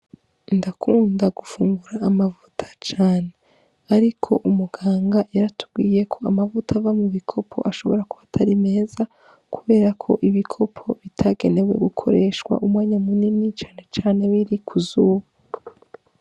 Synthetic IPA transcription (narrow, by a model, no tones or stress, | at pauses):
ndakʰuːndaɡ̥ufuːŋɡuɾaːmavutʰḁt͡ʃaːne̞ | aɾikʰo̞ʔumuɡ̥aːŋɡajaɾatʰu̥bɡiːje̞kʰo̞amavutavamuβikʰo̞pʰo̞̰ʔaʃo̞βo̞ɾakuatʰaɾime̞ːza | kuβe̞ːɾakʰo̞ʔiβikʰo̞pʰo̞βitʰaɡe̞ne̞we̞̰ɡukʰo̞̰ɾe̞ʃwa̰ʔumwaːɲamuninit͡ʃaːne̞t͡ʃaːne̞βiɾikʰuzuːβa